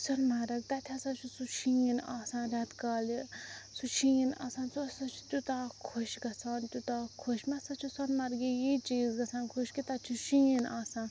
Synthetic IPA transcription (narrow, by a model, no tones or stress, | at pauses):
sɔnmaɾɐk̚t̪at̪ʰasãt͡ʃʰusut͡ʃʰijinasãnɾʲat̪kalisut͡ʃʰijina̰sãnt͡sosat͡ʃʰt̪ʲut̪akʰoʃɡɐsãnt̪ut̪akʰoʃmasat͡ʃʰusɔnmaɾɡijit͡ʃiːzɡɐsãnkʰoʃkit̪at͡ʃʰuʃijinasãn